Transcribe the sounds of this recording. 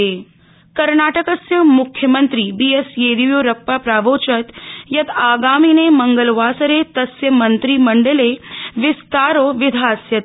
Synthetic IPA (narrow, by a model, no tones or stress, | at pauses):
e | kɐɾnaːʈɐkɐsjɐmʊkʰjɐmɐnt̪ɾiːbiːesjeːd̪iʋjoːɾɐpːaːpɾaːʋoːt͡ʃɐt̪jɐt̪aːɡaːmiːneːmɐŋɡəlʋaːsɐɾeːt̪ɐsjɐmɐnt̪ɾiːmɐɳɖɐleːʋɪst̪aːɾoːʋɪd̪ʱaːsjɐt̪